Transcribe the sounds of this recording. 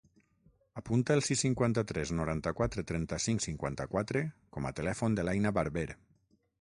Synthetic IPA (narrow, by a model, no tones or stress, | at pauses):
apunt̪aəlˠsisːiŋkwant̪at̪ɾɛznuɾant̪akwat̪ɾet̪ɾɛnt̪asiŋsiŋkwa̰nt̪akwat̪ɾekɔma̰t̪elɛfond̪əlajnaβaɾβeɾ